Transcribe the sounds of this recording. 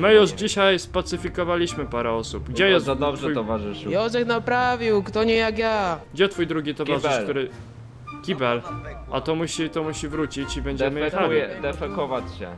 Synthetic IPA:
mɘjuʂd͡ʑiɕajspat̪sɘfʲikɔvalʲiɕmɘpaɾɛɔsubɡd͡ʑɛjɛst̪ad̪ɔb̪ʐɛuj̪ɔvaʐɨʂjɔzɛknapɾavʲiwkt̪ɔɲɛjakjaɡd͡ʑɛt̪fujd̪ɾuɡʲit̪ɔkaʐɨʂklt̪uɾɘ | kʲibɛla̰t̪ɔmuɕit̪ɔmuɕivɾut͡ɕit͡ɕibɛɲd͡ʑɛmɘɛxaujɛd̪ɛfɛkɔvat͡ɕɕɛ̰

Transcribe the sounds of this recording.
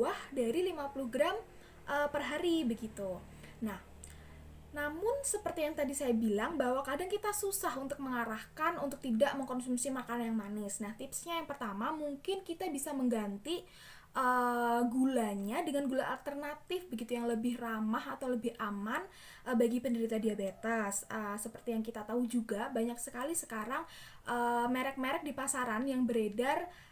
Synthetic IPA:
uahdaɾilimapuluhɡɾam | ʔəpərɦaɾibəɡit̪u | nah | namʊnsəpərt̪ijaŋt̪adisajabilaŋbaɦwakadaŋkit̪asusaɦunt̪ʊk̚məŋaɾahkanunt̪ʊk̚t̪idaʔməŋkɔnsumsimakananjaŋmanɪsnaht̪ɪpsɲajaŋpərt̪amamuŋkɪnkit̪abisaməŋɡant̪i | ʔəɡulaɲadəŋanɡulaʔalt̪ərnat̪ɪfbəɡit̪ujaŋləbɪhramahat̪awləbɪhʔaman | ʔəbaɡipəndəɾit̪adiabet̪asəsəpərt̪ijaŋkit̪at̪aud͡ʒuɡabaɲaksəkalisə̥kaɾaŋ | ʔəmeɾɛk̚meɾɛk̚dipasaɾanjaŋbəɾedar

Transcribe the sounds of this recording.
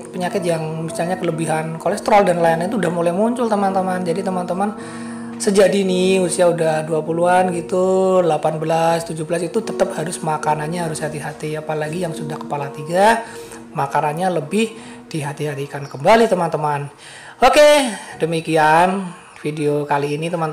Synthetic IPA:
pəɲakɪt̪̚jaŋmisalɲakələbiɦankolɛst̪əɾaldanlainaint̪uudahmolɛhmuɲt͡ʃʊlt̪əmant̪əmand͡ʒadit̪əmant̪əman | səd͡ʒadinɪusiaudahduapuluanɡit̪ulapanbəlast̪ud͡ʒʊbəlasit̪ut̪ət̪əp̚haɾʊsmakananɲaɦaɾʊshat̪iɦat̪iapalaɡijaŋsudahkə̥palat̪iɡa | makananɲaləbɪh | d̥iɦat̪iɦat̪ikankəmbalit̪əmant̪əman | okedəmikian | fideokaliːnit̪əman

